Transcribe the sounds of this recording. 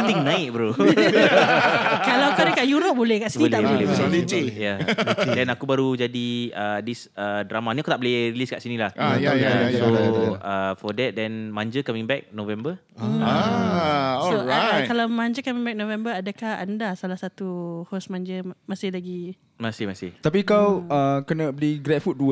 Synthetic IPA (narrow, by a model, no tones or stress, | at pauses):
t̪iŋnãɪt̪̚bəɾo | kalawkankaʔjuɾop̚bolɛhkaʔsibnilaɛʔbolɛboitijadɛnakubaɾud͡ʒadiədisədɾamanĩakut̪aʔbolɪɾiliskaʔsinĩlahaaasoəfɔdɛt̪̚dɛnmãɲd͡ʒəkamĩŋbɛk̚novɛmbə | ɔsoɹakalamãɲd͡ʒəkamĩŋbɛk̚novɛmbəadəkaha̰ndasalahsat̪uhosmãɲd͡ʒəmasɪhlaɡi | masihmasɪht̪ap̬ikawəkənəbəliɡɾɛt̚fut̪̚duə